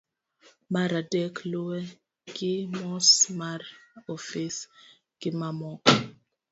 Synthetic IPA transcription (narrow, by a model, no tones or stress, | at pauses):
maɾadɛkloɛ | kimɔsmarofis | kimamɔk